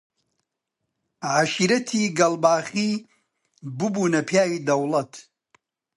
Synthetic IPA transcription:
ʕaʃiɾɐt̪ʰiːɡɐlbaːɣiː | bɨbuːnɐpʰjaːwid̪ɐwlɐt̪ʰ

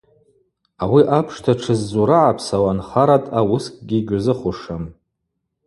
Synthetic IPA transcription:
awiʔapʰʂtʰaʈ͡ʂʰɨzːuɾaʕapʰsawanχaɾatʼawʊskʼɡʲiɡʲʊzɨχʊʂam

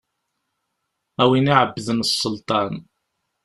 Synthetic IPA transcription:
æwiniʕəbːəðənəsˤːəlt̪ˤɑn

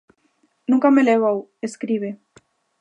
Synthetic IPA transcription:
nũŋkameleβ̞aweskɾiβe

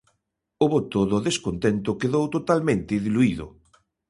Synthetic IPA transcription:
oβot̪oðoðeskont̪ent̪ʊkeðowt̪ot̪almẽnt̪ɪðiluiðʊ̰

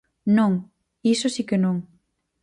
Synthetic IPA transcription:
nõŋ | isʊsikenõŋ

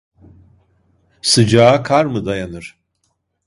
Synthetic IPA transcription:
sɯd͡ʒaːkʰaɾmɯd̪ajanɯɾ̥

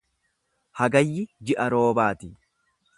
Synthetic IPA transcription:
hɐɡɐjːɪd͡ʒɪʔɐɾo̞ːbaːt̪ɪ

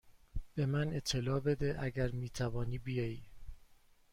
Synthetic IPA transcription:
b̥e̞mæne̞t̪ʰːe̞lɒːbe̞d̪eʔæɡæɾmiːt̪ʰævɒːniːbijɒːjiː

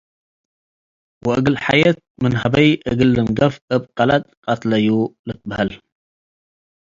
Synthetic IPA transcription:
wɔʔɨɡɨlħajɐt̪̚mɨnhɐbɐjʔɨɡɨlːɨnɡɐfʔɨbkʼɐlat̪̚kʼɐt̪lɐjulɨt̪̚bɐhɐl

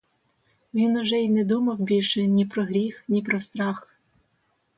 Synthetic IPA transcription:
ʋʲinʊʒɛinɛd̪umɐwbʲilʲʃɛnʲipɾɔɦɾʲixnʲipɾɔst̪ɾɑx

